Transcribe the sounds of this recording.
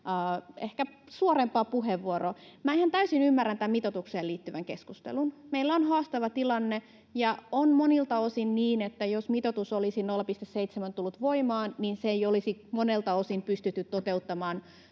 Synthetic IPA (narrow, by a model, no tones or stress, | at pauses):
ehkæ | suoɾempˑɑːpuɦeʋːuoromæehænt̪æysinymːærːænt̪æmmit̪ot̪ukseːliːt̪ːyʋæŋkeskust̪ḛlunmeilːæonhɑːst̪ɑʋɑt̪ilɑnːe | jɑonmonilt̪ɑosinniːnet̪ːæjosmit̪ot̪usolisinolːɑpist̪esseit̪semænt̪ulːut̪ʋoimɑːnninseeiolisimonelt̪ɑosimpyst̪yt̪ːyt̪tot̪eut̪ːɑmɑːn